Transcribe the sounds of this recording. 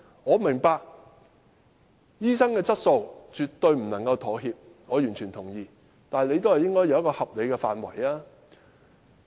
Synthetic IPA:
ŋɔː˨˧mɪ˨˩ŋpaː˧k̚ | jiː˥sɐ˥ŋkɛː˧t͡sɐ˥t̚so˧wt͡ʃyː˨t̪ɵ˧ɥm̩˨˩nɐ˨˩ŋkɐ˧wt̪ʰo˨˥ɦiː˧p̚ | ŋɔː˨˧jyː˨˩nt͡ʃʰy˨˩nt̪ʰʊ˨˩ŋjiː˨˧ | t̪aː˨jle˨˧jt̪o˥whɐ˨˩jɪ˥ŋkɔː˥jɐ˨˧wjkɔː˧hɐ˨p̚le˨˧jkɛː˧faː˨nwɐ̰˨˩jaː˦˥

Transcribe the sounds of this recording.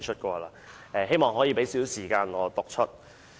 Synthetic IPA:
t͡ʃʰɵ˥t̚kɔː˧laː˧ | ɛː˧he˥jmɔː˨ŋɦɔː˨˥jiː˨˧pe˨˥jsiː˨˥wsiː˨˩kaː˧nŋɔː˨˧t̪ʊ˨k̚t͡ʃʰɵ˥t̚

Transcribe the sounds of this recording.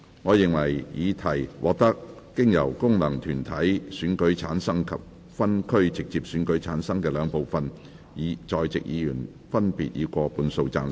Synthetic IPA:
ŋɔː˨˧jɪ˨˩ŋwɐ˨˩jjiː˨˧t̪ʰɐ˨˩jwʔɔ̰ː˨k̚t̪ɐ˥k̚ː | ɪ˥ŋjɐ˨˩wkʊ˥ŋnɐ˨˩ŋt̪ʰyː˨˩nt̪ʰɐ˨˥jsyː˨˥nkɵ˨˥ɥt͡sʰaː˨˥nsɐ˥ŋkʰɐ˨p̚ | fɐ˥nkʰɵ˥ɥt͡sɪ˨k̚t͡siː˧p̚syː˨˥nkɵ˨˥ɥt͡sʰaː˨˥nsɐ˥ŋkɛː˧lœː˨˧ŋpo˨˩wfɐ˨n | jiː˨˧t͡sɔː˧jt͡sɪ̰˨k̚jiː˨˧jyː˨˩n | fɐ˥npḭː˨t̚jiː˨˧kʷɔː˧puː˧nso˧wt͡saː˧n

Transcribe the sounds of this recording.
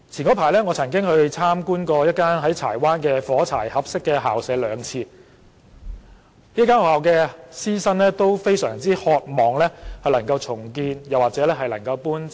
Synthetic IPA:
t͡sʰi˨˩nkɔː˨˥pʰaː˨˩jlɛː˥ŋɔː˨˧t͡sʰɐ˨˩ŋkɪ˥ŋhɵ˧ɥt͡sʰaː˥mkuː˥nkɔː˧jɐ˥t̚kːaː˥nɦɐ˨˥jt͡sʰa̰ː˨˩jwaː˥nkɛː˧fɔː˨˥t͡sʰa̰ː˨˩jhɐ˨p̚sɪ˥kːɛː˧ɦa̰ː˨wsɛː˨˥lœː˨˧ŋt͡sʰiː˧ | liː˥k̬aː˥nhɔ˨˧haː˨˩wkɛː˧siː˥sɐ˥nlɛː˥t̪o˥wfe˥jsœː˨˩ŋt͡siː˥hɔː˧t̚mɔː˨˩ŋlɛː˥hɐ˨jlɐ˨˩ŋkɐ˧wt͡sʰʊ˨˩ŋkiː˧njɐ˨˩waː˨k̚t͡sɛː˨˥lɛː˥ɦɐ˨jlɐ˨˩ŋkɐ˧wpuː˥n

